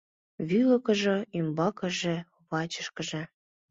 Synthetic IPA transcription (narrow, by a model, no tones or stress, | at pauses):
βylɤ̆kɤ̆ʒɤ̆imbɑkɤ̆ʒĕ | βɑt͡ɕə̥ʃkə̆ʒĕ